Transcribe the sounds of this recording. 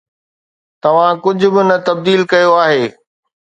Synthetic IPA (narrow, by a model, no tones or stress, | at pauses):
t̪ɐʋ̤ãkʊd͡ʑʱʊ̆bɪnɐt̪ɐb̚d̪iːlkɐjoaːɦeː